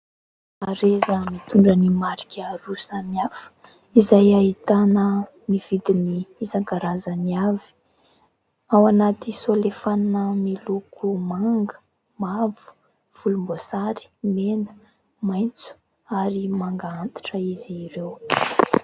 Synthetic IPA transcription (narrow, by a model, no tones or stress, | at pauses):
aɾezəmit̪uɳɖ͡ʐənimaɾi̥kʲaɾusamiafə̥ | izajait̪anə | miv̥id̪iniːzaŋkaɾazəniavi̥ | awanat̪isolefannəmilukʰumaŋɡə̥ | mavu̥ | v̥ulumbosaɾi̥menə̥ | majnt͡su̥ | aɾimaŋɡaant̪i̥ʈ͡ʂəiziɾew